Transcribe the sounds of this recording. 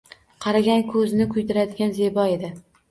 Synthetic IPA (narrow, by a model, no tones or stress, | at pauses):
qʰɑɾaɡʲankʰɵzɪnɪkʰʊjd̪ʰɪɾad̪ɪɡʲanze̞bɒe̞d̪ɪ